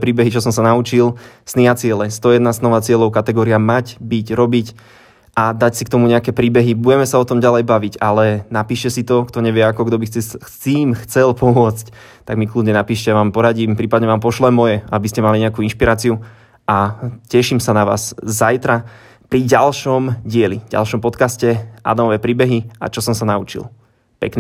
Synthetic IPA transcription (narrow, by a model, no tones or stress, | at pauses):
pɾiːbɛɦit͡ʃɔsɔmsanaut͡ʃilsniat͡sɪɛlɛst̪ɔjɛd̪naznɔʋaːt͡sɪɛlɔʊkat̪ɛɡɔːɾiamacbiɟɾɔbic | ʔad̪acsikt̪ɔmuɲɛakɛpɾiːbɛɦibuɟɛmɛsaɔt̪ɔmɟalɛjbaʋicalɛnapiːʃcɛsit̪ɔkt̪ɔɲɛʋɪɛakɔɡd̪ɔbisɛt͡siːmxt͡sɛlpɔmʊɔt͡sc | t̪aɡmiklud̪ɲɛnapiːʃcɛʋaːmpɔɾaɟiːmpɾiːpad̪ɲɛʋaːmpɔʃlɛmɔjɛabiscɛmaliɲɛakuinʃpiɾaːt͡siu | ʔacɛʃimsanaʋa̰ːz̥zajt̪ɾa | pɾiɟalʃɔmɟɪɛlivɟa̰lˠʃɔmpɔt̪kascɛʔa̰d̪amɔʋɛpɾiːbɛɦia̰t͡ʃɔsɔmsanaut͡ʃḭl | pɛkn